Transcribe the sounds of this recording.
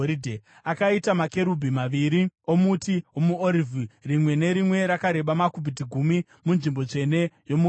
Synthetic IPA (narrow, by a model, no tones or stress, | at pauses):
ɾidʱe | akaitamake̞ɾubʱimaʋiɾio̞mutiomuoɾivirimwe̞ne̞ɾimwe̞ɾakaɾe̞ɓamakubʱit̬iɡʱumi | munʐimbo̞t͡ʂe̞ne̞jo̞mu